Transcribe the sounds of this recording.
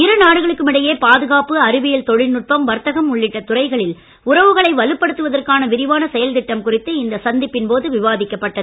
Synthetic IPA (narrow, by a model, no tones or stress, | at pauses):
ɪɾɯnaːɽɯɣɐɭɯkːɯmɪɽɐjeːpaːðɯɣaːpɯɐɾɯʋɪjɐlt̪ɔɻɪlnʊʈ̚pɐmʋɐɾt̪ɐɣɐmʊɭːɪʈːɐt̪ʊrɐɪɣɐɭɪl | ʊrɐʋɯɣɐɭɐɪʋɐlɯpːɐɽɯt̪ːɯʋɐðɐrkaːnɐʋɪɾɪʋaːnɐsɛjɐlt̪ɪʈːɐmkʊrɪt̪ːɯɪnd̪ɐsɐnd̪ɪpːɪnpoːðɯʋɪʋaːðɪkːɐpːɐʈːɐðɯɯ